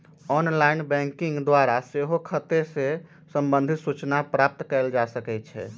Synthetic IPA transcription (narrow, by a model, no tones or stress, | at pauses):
ɔnlajnbɛ̃ŋkiŋɡd̪waɾaseɦokʰət̪ese | səmbənd̪ʱit̪sut͡ʃnapɾap̚t̪kɛld͡ʒasəkɛt̪̚t͡ʃʰɛ̰